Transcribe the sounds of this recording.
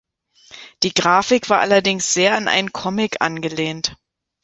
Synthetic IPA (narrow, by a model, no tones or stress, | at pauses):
d̥iːɡʁaːfɪkv̥aːɐʔalɐdɪŋsz̥eːɐanʔa̰ɪnənkʰɔmɪkʔa̰nɡəleːnt